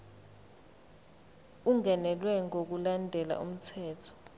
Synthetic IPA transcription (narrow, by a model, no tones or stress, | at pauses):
uŋɛnɛlwɛŋok̬ulandʱɛla̰ʔṵm̩tʰɛːtʰɔ̥